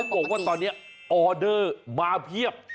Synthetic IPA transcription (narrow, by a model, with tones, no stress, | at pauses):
bɔ˨˩k̚waː˥˩t̪ɔː˧nːi˦˥ɐ | ʔɔː˧dɤː˥˩maː˧pʰi˥˩əp̚